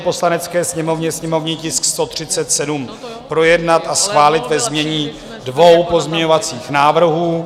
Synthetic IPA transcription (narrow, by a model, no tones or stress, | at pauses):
po̞slanɛt͡skɛːsɲɛmo̞vɲɛsɲɛmo̞vɲiːcɪskst̪o̞t̪r̝̥ɪtt͡sɛt̪sɛdum | pɾo̞jɛdnat̪asxvaːlɪt̪vɛzmɲɛɲiː | dvo̞wpo̞zmɲɛɲo̞vat͡siːxnaːvr̩ɦuː